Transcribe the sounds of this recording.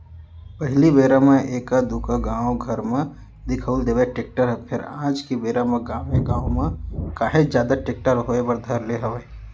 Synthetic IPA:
pɐɦɪlibeːɾamẽʔeːkad̪uːkaɡãːwɡʱɐɾmẽ | d̪ɪkʰəʊld̪eːʋeʈeːk̚ʈəɾpʰɪɾã̰ːd͡ʒkibeːɾamə̃ɡãːẽɡãːomẽkaːɦed͡ʒjaːd̪aʈeːk̚ʈəɾɦoːebɐɾd̪ʱəɾleɦɐʋe

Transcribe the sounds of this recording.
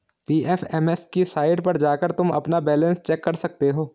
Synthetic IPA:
piːʔɛfʰɛmɛskisaːɪɖpɐɾd͡ʒaːkəɾt̪ʊmɐ̰pnabɛːlə̃nst͡ʃɛːkːɐɾsɐk̚t̪eɦoː

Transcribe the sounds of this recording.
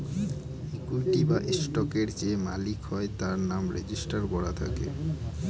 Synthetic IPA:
ekulʈibaʔesʈɔkeɾd͡ʑemalikɦɔet̪aɾnamɾḛd͡ʑisʈaɾbɔɽat̪ʰa̰kḛ

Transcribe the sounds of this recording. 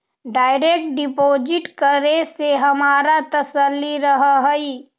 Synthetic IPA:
ɖaːɪɾek̚ʈ̚ɖɪpoːd͡ʒɪʈkəɾeseɦɐmaːɾat̪ɐsəlːiɾəɦɦəi

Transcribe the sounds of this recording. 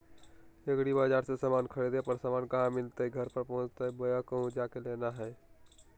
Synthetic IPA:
əɡɽibaːd͡ʒaːɾsesamaːnkʰəɽed̪epəɾsaːmaːnkəɦãmɪlt̪eɦɛɡʱəɾpəɾpɔɦʊ̃t͡ʃt̪eɦɛbojakəɦũd͡ʒaːkeleːnaɦɛː

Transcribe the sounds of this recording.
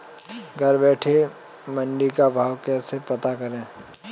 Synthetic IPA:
ɡʱɐɾbɛːʈʰe | mɐ̃ɳɖikabʱaːʋkɛːsepɐt̪akɐɾẽː

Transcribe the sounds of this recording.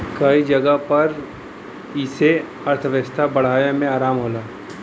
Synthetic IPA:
kɐid͡ʒɐɡəpɐɾ | iːse | ɐɾt̪ʰəʋəst̪ʰabɐɽ̤aːjãmẽaːɾaːmɦoːlaː

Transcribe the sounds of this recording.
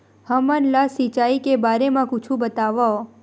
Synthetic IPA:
həmənlasit͡ʃaikebaɾemãkut͡ʃʰũbət̪aʋao

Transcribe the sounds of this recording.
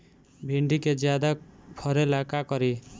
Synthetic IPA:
bʱiɳɖiked͡ʒjad̪apʰʌɾelakakʌɾi

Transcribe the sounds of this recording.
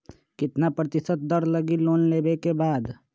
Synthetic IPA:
kɪt̪napɾət̪ɪsət̪̚d̪əɾləɡiloːnleːbekebaːd̪

